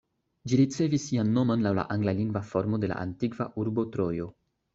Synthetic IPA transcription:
d͡ʒiɾit͡se̞visːianːo̞monlawla̰ʔaŋɡlaliŋɡvafo̞ɾmo̞de̞la̰ʔa̰ntiɡvaʔuɾbo̞tɾo̞jo̞

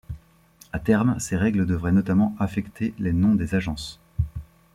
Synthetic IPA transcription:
at̪ɛʁmseʁɛɡləd̪əvʁɛnɔt̪amɑ̃afɛkt̪ʰelenɔ̃d̪ezaʒɑ̃s

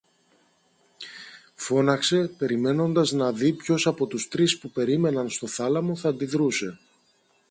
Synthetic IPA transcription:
fo̞nɐkse̞pe̞ɾime̞no̞nd̪ɐznɐðipço̞sɐpo̞t̪ust̪ɾispupe̞ɾime̞nɐnst̪o̞θɐlɐmo̞θɐnd̪iðɾuse̞

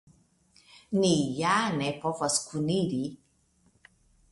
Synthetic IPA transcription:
nijanɛpɔfaskʰuniɾi

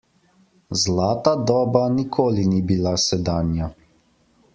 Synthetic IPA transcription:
zlaːt̪ad̪ɔːbanikʰoːlinibilasɛd̪aːnja

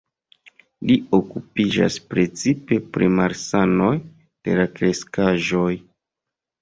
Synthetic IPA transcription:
liokupid͡ʒa̰spɾe̞t͡sipe̞pɾḭmaɾsano̞j | d̥e̞̰lakɾe̞skaʒo̞j

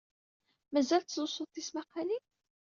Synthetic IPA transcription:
mæzælt̪zʊsˤʊðθismæqali

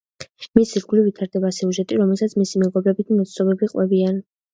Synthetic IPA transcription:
misiɾɡulivit̪ʰaɾd̪ɛbasɛuʒɛt̪ʼiɾɔmɛlˠsat̪sʰmisimɛɡɔbɾɛbit̪̚ʰmɔt̪ssɔbɛbiqʼwɛbian

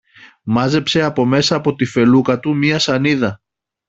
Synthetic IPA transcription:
mɐze̞pse̞ɐpo̞me̞sɐːpo̞t̪ife̞lukɐt̪umiɐsɐniðɐ

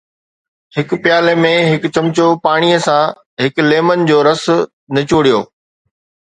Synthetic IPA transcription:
hɪkpjaːlemẽɦɪkt͡ɕɐ̃mt͡ɕopaːɽ̃ijəsã | ɦɪkleːmənɪ̆d͡ʑoːɾɐsʊ̆ | nɐt͡ɕoːɽijo̰ː

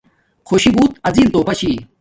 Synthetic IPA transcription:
kʰoɕibuːt̪ɐziːnt̪oːpɐɕiː

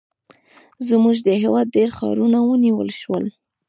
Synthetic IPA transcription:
zmuʒd̪əɦewɑd̪̚ɖeɾxɑ̰ɾunawəniwə̰lʃwəl

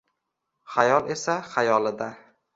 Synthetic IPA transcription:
χajɒlˠe̞saχajɒlˠɪd̪a

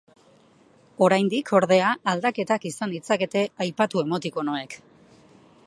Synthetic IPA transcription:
o̞ɾajnd̪ikʰo̞ɾðe̞aːld̪ake̞t̪akisand̪it͡sake̞t̪e̞ajpat̪ue̞mo̞t̪iko̞noe̞k

